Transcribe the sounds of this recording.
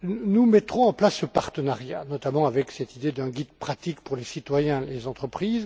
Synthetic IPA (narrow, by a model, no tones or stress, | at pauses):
numɛt̪χɔ̃ɑ̃plasːəpaʁt̪ənaʁja̰nɔt̪amɑ̃avɛksɛt̪id̪ed̪ɛ̃ɡʲid̪pχat̪ikpuʁlesit̪wajɛ̃lezɑ̃t̪χəpχiːz